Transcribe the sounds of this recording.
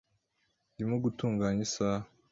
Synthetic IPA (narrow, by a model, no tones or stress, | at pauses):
ndimoɡutuːŋɡaːɲisa